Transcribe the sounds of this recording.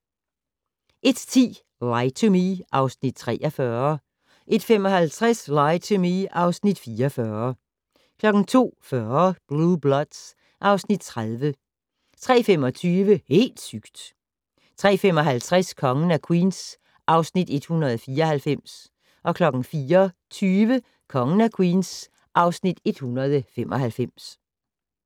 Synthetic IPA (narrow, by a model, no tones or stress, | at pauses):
ʔe̝d̥t͡sʰḭː | laɪt͡sʰomiʔɑ̈ʊsnid̥̚t͡sʰʁɛ̰ːɒfɶɐ | ʔe̝d̥femɒ̽hælt͡sʰʁaslɑɪt͡sʰomiʔɑ̈ʊsnid̥fiːɒfɶːɐ | kʰlɒ̽ɡ̥n̩t͡sʰo̝̰ːfɶːɐb̥lub̥lɒ̽d̥s | ʔɑ̈ʊsnid̥̚t͡sʰʁaðˠʋə | t͡sʰʁɛ̰ːfem̰ɒ̽t͡sʰyːʋəhe̝̰ːld̥syɡ̥d̥ | t͡sʰʁɛ̰ːfem̰ɒ̽ɦælt͡sʰʁɛskʰɒ̽ŋn̩ækʰwḭːns | ʔɑ̈ʊsnid̥e̝d̥hunɐð̞̩ˠfiːɐɒ̽hælfem̰s | ʔɒ̽kʰlɒ̽ɡ̥n̩fiːɐt͡sʰyːʋə | kʰɒ̽ŋn̩ækʰwiːns | ʔɑ̈ʊsnid̥e̝d̥hunɐð̞ˠəfem̰ʔɒ̽ɦælfem̰s